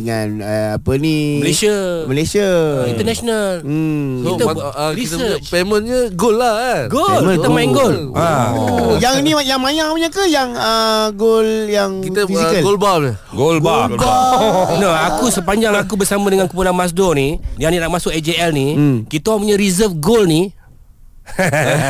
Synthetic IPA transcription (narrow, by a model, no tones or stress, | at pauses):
əŋanəapəniməlesəməlesiəḭnt̪ənasonalit̪əɾiit̪əsəat͡ʃpemənɲəɡolːaɡolkit̪əmainɡola | jaŋinijaŋmajaŋpəɲakəjaŋəɡoljaŋkit̪əfiziəlɡolbaə | ɡolɡbabanoakusəp̬aɲd͡ʒaŋakubəsamadəŋankupunanmas̬dɔnidaninaʔmasʊkad͡ʒeɛlnikit̪əwaʔpuɲaɾizəfɡolni